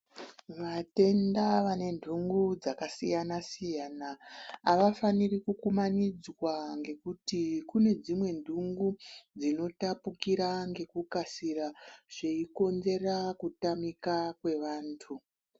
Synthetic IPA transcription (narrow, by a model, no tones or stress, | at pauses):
ʋate̞ndaʋane̞ndʱuŋɡud͡zakasijanasijanaːʋafanirikukumanid͡zwaŋɡe̞kutikune̞d͡zimwe̞ndʱuŋɡud͡zino̞tapukiɾaŋɡe̞kukasiraʐ̥eiko̞nze̞rakutamikakwe̞ʋaːntʰu